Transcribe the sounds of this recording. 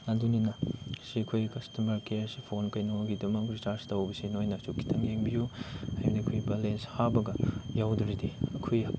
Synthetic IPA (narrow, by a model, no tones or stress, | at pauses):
ɐduninɐsikʰojkɐstɐmɐɾkeɐsi̥pʰonkɐjnoɡidɐmɐkistaɾstɐwbɐsenojnɐt͡ʃukʰːi̥tʰɐŋeŋbijuhajdikʰojbɐlenshabɐɡɐjawdɾidiɐkʰoj